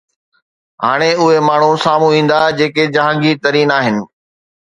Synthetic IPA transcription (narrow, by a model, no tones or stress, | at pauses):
ɦaːɽ̃eʊɦemaːɳ̤usaːm̤ũĩːn̆d̪ad͡ʑeːked͡ʑɐɦãːŋɡit̪ɐɾiːnaːɦɪnɪ̆